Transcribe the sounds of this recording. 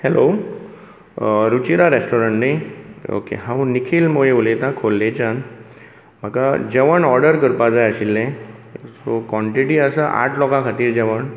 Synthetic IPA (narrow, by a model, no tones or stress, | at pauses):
helo | ɾut͡ɕiɾaɾesʈɔɾəɳʈnajo̰kḛɦãwnikʰiːlmojeulet̪ãkʰolːẽt͡ɕan | m̤əkad͡ʑɛʋəɳɔɾɖəɾkəɾpad͡zajəɕilːẽsokʋɔ̃ɳʈiʈiːəsəʔa̰ʈʰlɔkãkʰat̪iːɾd͡ʑɛʋəɳ